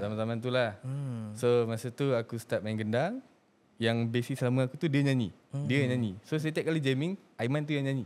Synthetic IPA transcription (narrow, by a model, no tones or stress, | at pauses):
t̪amanzamãnt̪̬ulahsomasət̪uakust̪ap̚aŋɡəndaŋ | jaŋbesislaməakut̪udiəɲãnḭ | diəjaɲãnisos̬ajt̪ijaʔkalid͡ʒemĩŋajmãnt̪ujaŋɲãni